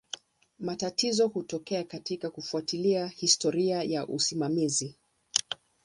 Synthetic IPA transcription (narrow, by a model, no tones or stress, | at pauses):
matatizɔhutɔkɛakatikakufuatiliahistɔɾiajaʔusimamizi